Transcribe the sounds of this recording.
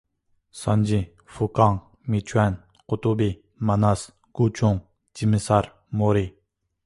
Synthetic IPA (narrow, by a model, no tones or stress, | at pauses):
sand͡ʑi | fʰukaŋ | mit͡ɕʰwan | qot̪ope | manas | kut͡ɕʰoŋ | t͡ɕiməsar | moɾel